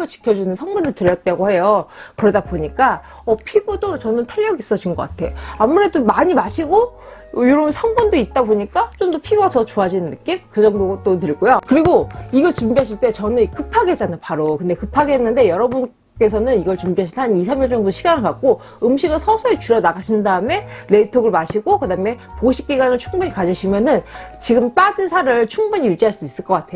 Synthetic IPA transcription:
at͡ɕi̥kʰjʌd͡ʑunɯnsʰʌŋbundotɯɾjʌt̚t͈aɡohe̞jokɯɾʌdaboɲik͈a | ʌpʰiɡodot͡ɕʌnɯntʰeʎːʌɡis͈ʌd͡ʑinɡʌk͈a̰tʰe̞̰oamuɾe̞domaɲimaɕʰiɡo | joɾʌbunsʰʌŋbundoit̚t͈aboɲik͈at͡ɕomdʌpʰiɡʌsʰʌt͡ɕoad͡ʑinɯnːɯk͈imkɯd͡ʑʌŋdoɡʌt͈otɯɭɡojokɯɾiɡoiɡʌt͡ɕumbiɦaɕ̬ʰiɭt͈e̞t͡ɕʌnɯnkɯpʰaɡɦet͡ɕ͈anapaɾokɯnde̞kɯpʰaɡeɦenːɯnde̞jʌɾʌbun | k͈e̞sʰʌnɯniɡʌɭt͡ɕumbiɦaɕʰianis̬ʰamjʌɭt͡ɕʌŋdoɕʰiɡanɯɭkak̚k͈o | ɯmɕʰiɡɯɭsʰʌsʰoet͡ɕuɾjʌnaɡaɕʰindaɯme̞ɾe̞tʰoɡɯɭmaɕʰiɡokɯdaɯme̞poɕʰi̥k͈iɡanɯɭt͡ɕʰuŋbuɲikad͡ʑiɕʰimjʌnɯnt͡ɕiɡɯmp͈ad͡ʑinsʰaɾɯɭt͡ɕʰuŋbuɲijud͡ʑiɦaɭs͈uis͈ɯɭk͈ʌk͈atʰe̞jo

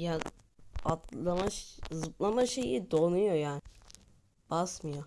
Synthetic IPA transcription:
ja | at̪ˠamaʃzɯplˠamaʃejid̪onujojaːnɪ | b̥asmɯjo

